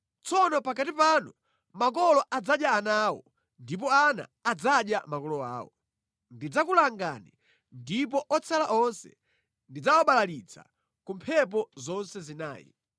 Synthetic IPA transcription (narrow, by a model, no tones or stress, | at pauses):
t͡sɔnɔpakatipanu | mak̬ɔlɔʔad͡zaɗjaːnawɔ̰ | ndip̬ɔana̰ːd͡zaɗjamakɔlɔa̰ːwɔ | ndid͡zakulaŋɡani | ndip̬ɔʔɔt͡sʰalaʔɔnsɛ̰ | ndid͡zawɔɓalalit͡sʰa̰ | kumpʰɛp̬ɔzɔnsɛzina̰ːjḭ